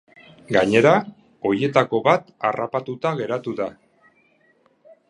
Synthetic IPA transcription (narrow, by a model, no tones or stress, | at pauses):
ɡaɲe̞ɾa | o̞je̞t̪ako̞βat̪a̰rapat̪ut̪aɣe̞ɾat̪uða